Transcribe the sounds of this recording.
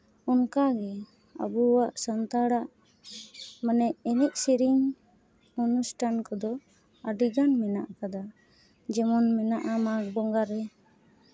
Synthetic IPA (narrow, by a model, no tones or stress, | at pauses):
unkaɡɛ | a̰buwaʔsant̪aɽaʔ | manɛʔɛnɛʔ̚siɾiŋ | unusʈʰankɔd̪ɔ | aɖiɡanmɛnaʔakad̪a | d͡ʒɛmɔnmɛnaʔamakbɔŋɡaɾɛ